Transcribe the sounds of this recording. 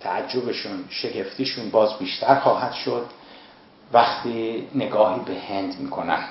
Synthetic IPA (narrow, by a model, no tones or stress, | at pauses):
t̪ʰæ̰ʔæd͡ʒːo̞beʃuːnʃe̞ɡe̞ft̪iːʃuːnbɒːzbiːʃt̪ʰæɾxɒːhæd̪̥ʃod̪ | væxt̪ʰiːne̞ɡɒːhiːbe̞he̞nd̪miːkʰo̞næ̰m